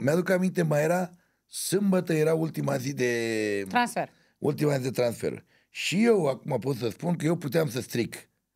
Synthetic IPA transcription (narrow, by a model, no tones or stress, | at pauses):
mjad̪ukamint̪emajeɾa | sɨmbət̪əjeɾault̪imazid̪et̪ɾãnsfeɾ | ṵlt̪imazid̪e̞t̪ɾansfḛɾ | ʃijewakumapot̪səspunkəjewput̪eamsəst̪ɾik